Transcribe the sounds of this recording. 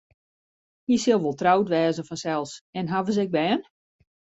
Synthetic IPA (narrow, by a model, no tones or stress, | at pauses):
hisɪlˠʋolˠtrawtʋɛːzənfɔnsɛlˠsɛnɦavəs̬ɛɡ̚bɛːən